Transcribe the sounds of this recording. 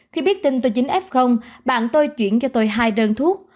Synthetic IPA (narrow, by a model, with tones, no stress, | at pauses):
xi˧ɓi˦˥ət̚t̪ï˧ŋ̟t̪̬o˧jt͡ɕï˨˦ŋ̟ʔɛ˦˥p̚xə˧wŋ͡mɓa̰ː˧˨nt̪o˧jt͡ɕwi˧˩ənt͡ɕɔ˧t̪o˧jɦaː˧jɗəː˧nt̪ʰu˦˥ək̚